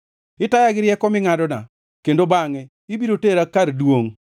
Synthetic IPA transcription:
ɪtajaɡɪɾjɛkɔmɪŋadɔna̰ | kendobaŋɛ | ibiɾoteɾakaɾdwoŋ

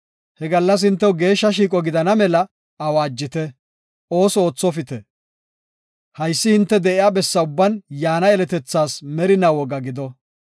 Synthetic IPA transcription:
hɛɡɐlːɐs̬hɪnt̪̬ːɛwɡe̞ːʃːɐʃiːk̬ʼɔɡɪd̪ɐnɐmɛlɐː | waːd͡ʒːɪt̪ɛ | o̞ːsɔoːt͡sːɔfɪt̪ɛ | hɐjsːɪhɪnt̪ːɛd̪ɛʔɪjaːbɛsːɐʊbːɐnjaːnɐɛlɛt̪ɛt͡sːaːsmɛɾɪnɐwɔɡɐɡɪd̪ɔ

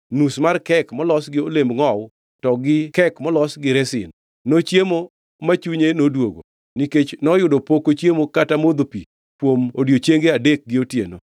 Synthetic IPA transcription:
nusmarkɛkmɔlɔsɡɪolembŋɔw | tɔɡɪkɛkmɔlɔsɡɪɾɛsɪ̰nː | ot͡ʃjemo | mat͡ʃuɲenodwoɡo̰ | niket͡ʃnɔjʊdopokot͡ʃjemokatamod̪opi | pwomodjot͡ʃeŋɡeadek̚ɡɪotjḛno̰

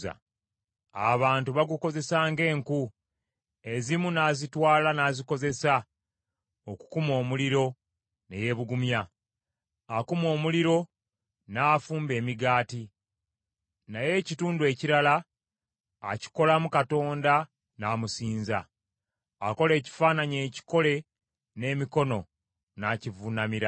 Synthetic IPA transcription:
a̰ | a̰βaːntuβaɡuko̞ze̞saːŋɡe̞ːŋku | e̞zimunaːzitwaːlanaːziko̞ze̞sa | o̞ku̥kumo̞ːmuliɾo̞ | nḛje̞βuɡumjaː | kumo̞ːmuliɾo̞ | naːfuːmbe̞ːmiɡaːti | naje̞cituːndue̞ːciɾalaː | ci̥ko̞lamukato̞ːnda | naːmusiːnza̰ː | ko̞le̞ːci̥faːnaɲe̞ːci̥ko̞le̞ | ne̞ːmiko̞no̞ | nacivunamiɾa

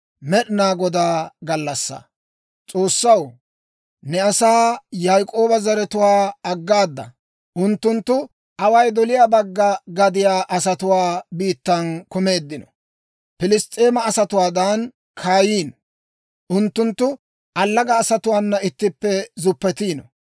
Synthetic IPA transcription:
mɛɗɪnaːɡɔd̪aːɡɐlːɐsːɐ̰ | t͡sʼo̞ːsːɐw | nɛɐsaːjajkʼo̞ːbɐzɐɾɛt̪ʊwaːɐɡːaːd̪ːɐ̰ | ʔʊnt̪ːʊnt̪ːʊ | ʔɐwɐjd̪ɔlɪjaːbɐɡːɐɡɐd̪ɪjaːʔɐsɐt̪ʊwaːbiːt̪ːɐnkʊme̞ːd̪ːɪnɔ | pɪlɪst̪ʼːeːmɐːsɐt̪ʊwaːd̪ɐn | kʰaːjiːn | ʔʊnt̪ːʊnt̪ːʊ | ʔɐlːɐɡɐːsɐt̪ʊwaːnːɐɪt̪ːɪpːɛzʊpːɛt̪iːnɔ̰

